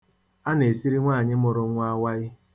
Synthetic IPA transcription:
a˦ne˨si˦ɾi˦ŋʷaː˦˨ɲɪ˦mʊ˨ɾʊ˨˦ŋʷa˦wa˦ɪ˦

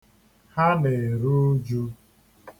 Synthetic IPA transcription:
ha˦ne˨ɾu˦d͡ʒu˦

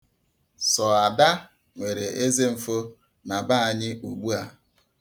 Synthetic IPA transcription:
sɔ˨a˨da˦ | ŋʷe˨ɾe˨ʔe˦ze˦m̩˨fo˦ | na˨ba˦a˨ɲɪ˦ʔu˨ɡ͡bu˦a˦

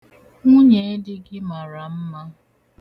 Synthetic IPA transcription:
ŋʷʊ˦ɲe˨e˦dɪ˦ɡɪ˦ma˨ɾa˨m̩˦ma˦

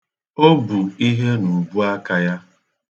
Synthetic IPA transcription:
o˦bu˨i˦ɦe˦nu˨bu˦a˦ka˦ja˦

